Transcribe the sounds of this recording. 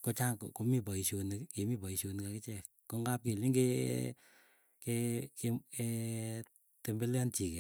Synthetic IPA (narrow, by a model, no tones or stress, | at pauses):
kot͡ʃaŋkkomipɔiʃonkemipɔiʃonkakit͡ʃɛk | koŋɡap̚kiliŋɡe | kekee | tembeljant͡ʃikɛ